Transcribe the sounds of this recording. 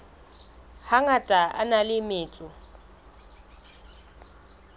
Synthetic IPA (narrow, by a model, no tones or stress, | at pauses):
haŋatʼaa̰nalɪmɪːt͡sʼʊ